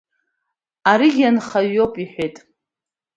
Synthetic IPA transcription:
aɾiɡʲanχaɥːopʼiħʷejtʼ

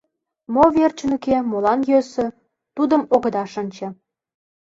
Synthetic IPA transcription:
moβert͡ɕənykemolɑnjøsø̆ | t̪ud̪ə̆moɣə̆d̪ɑʃənʲt͡ɕɤ̆

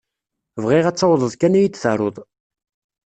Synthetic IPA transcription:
vʁiʁæt͡sːɑwðˤəðˤkænijit͡sːθə̰ɾˤoðˤ

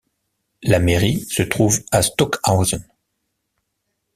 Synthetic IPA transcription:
lameʁisət̪χuvast̪ɔkawzɔn

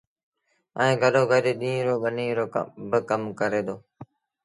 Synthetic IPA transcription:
əẽːɡʱəɗoːɡʱəɾeːɗĩːɾoːɓəniːɾoːbəkəmkəɾeːd̪oː

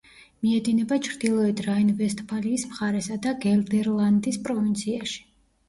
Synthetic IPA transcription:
miɛd̪inɛbat͡ʃʰɾd̪ilˠɔɛd̪ɾainvɛst̪ʰʼbʰaliːsmχaɾɛsad̪aɡɛld̪ɛɾlˠand̪ispʼɾɔvint̪sʰiaʃi̥

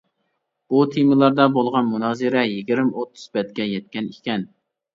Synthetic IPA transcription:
ut̪ʰimɨlˠɑɾd̪ɑbolˠʁɑnmunɑːzɨɾɛjiɡʲiɾmot̪ʰːu̥z̥bɛt̪kʲɛjɛt̪kʲɛnikʲɛn

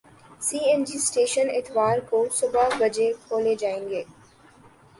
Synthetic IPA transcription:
siːɛ̃nd͡ʒiːsʈeːʃənɪt̪ʋaːɾkosʊbabɐd͡ʒekʰoːled͡ʒaːẽːŋɡeː

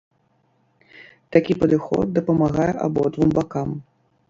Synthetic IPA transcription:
t̪akʲipɐd̪ɨxɔ̰d̪̚d̪ɐpɐmaɣajɛʔabɔd̪vumbakam

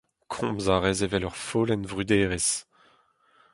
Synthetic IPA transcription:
kʰɔ̃bzaʁɛzevɛlœʁfoːlɛnvʁyd̪eːʁes

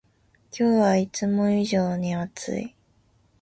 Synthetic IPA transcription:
kʲʰo̞ːβait͡sɨmo̞iʑoːɲ̟iat͡sɨ̰i

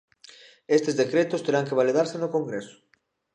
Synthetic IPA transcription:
est̪ezðekɾet̪ʊst̪eɾaŋkeβaliðaɾsenʊkoŋɡɾesʊ̥

